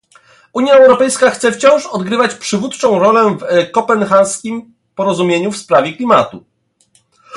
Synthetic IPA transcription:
uɲjaɛwɾɔpɛjskaxt̪sɛft͡ɕɔ̃w̃ʂɔd̪ɡɾɘvat͡ɕpʂɘvut̪t͡ʂɔ̃w̃ɾɔlɛvɛkɔpɛnxaskʲim | pɔɾɔzumʲjeɲufspɾavʲɛklʲimat̪u

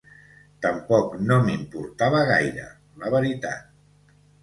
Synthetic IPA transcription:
t̪əmpɔknomimpuɾt̪aβəɣ̞ajɾə̰ | ləβəɾit̪a̰t̪̚

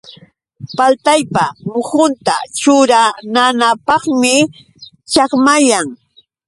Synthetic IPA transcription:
palt̪ajpamʊhʊnt̪at͡ʃʊɾananapɑχmɪ | t͡ʃakmajaŋ

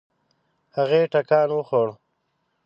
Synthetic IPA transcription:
haɣeːʈakɑːnwəxoɽ

